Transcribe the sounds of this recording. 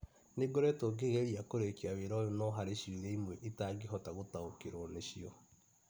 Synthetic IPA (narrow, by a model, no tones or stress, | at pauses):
neɡoɾɛtoɡeɣeɾiakoɾekiaβeɾɔjonɔɦaɾeʃiuɾeimwɛʔitaɡeɦɔtaɣotaokeɾoneɕiɔ